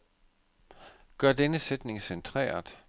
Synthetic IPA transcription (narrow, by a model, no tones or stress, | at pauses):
ɡ̥ɶɐ̰d̥enəsed̥ne̝ŋsent͡sʰʁɛ̰ːɐd̥ˠ